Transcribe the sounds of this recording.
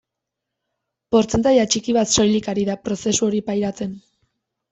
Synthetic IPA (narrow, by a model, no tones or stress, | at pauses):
po̞ɾt͡se̞nt̪ajat͡ʃikiβat̪so̞jlikaɾiðapɾo̞se̞suo̞ɾipajɾat͡se̞n